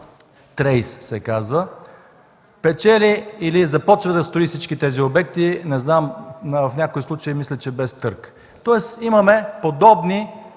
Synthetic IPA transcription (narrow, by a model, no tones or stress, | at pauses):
t̪ɾɛjssɛkazvə | pɛt͡ʃɛliːlizɐpɔt͡ʃvəd̪ɐst̪ʊist̪it͡ʃkit̪ɛziobɛk̚t̪inɛznamvɐfnʲakoislˠut͡ʃəimislʲɛt͡ʃɛbɛst̪ɤɾk | t̪ɔɛsimɐmɛpod̪ɔbni